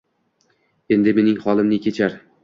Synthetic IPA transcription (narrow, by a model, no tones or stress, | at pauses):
e̞nd̪ɪme̞nɪŋχɒlˠɪmnɪkʲʰe̞t͡ʃʰaɾ